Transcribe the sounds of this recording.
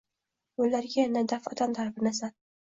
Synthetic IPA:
ʊlːaɾɡʲajanad̪afɒt̪ʰant̪ʰaɾbɪnasan

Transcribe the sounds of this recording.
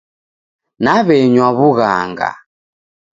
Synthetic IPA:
naβɛɲwaβuɣa̰ŋɡa̰

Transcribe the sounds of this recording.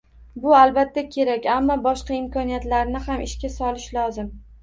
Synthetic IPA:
bʊalbat̪ʰːakʲʰe̞ɾakʲamːɒbɒʃqɑɪmkʰɒnijat̪laɾnɪhamʔɪʃkʲasɒlɪʃlɒzɪm

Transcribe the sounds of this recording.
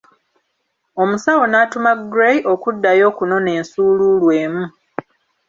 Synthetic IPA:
o̞musawo̞naːtumaɡɾejo̞kudːajo̞ːkuno̞ne̞ːnsuːluːlweːmu

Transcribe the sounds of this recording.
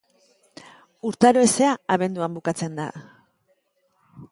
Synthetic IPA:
uɾt̪aɾoese̞aaβe̞nd̪uambukat͡se̞nd̪a̰

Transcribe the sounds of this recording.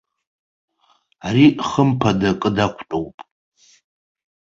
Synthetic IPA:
ariχəmpʰadakʼɨdakʷʰtʼowpʼ

